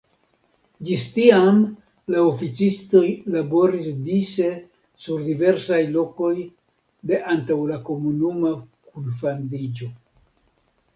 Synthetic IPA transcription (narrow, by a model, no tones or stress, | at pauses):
d͡ʒistiam | laofit͡sisto̞jlabo̞ɾisdise̞ | suɾdive̞ɾsajlo̞ko̞j | de̞ʔantawlako̞munumakunfandid͡ʒo̞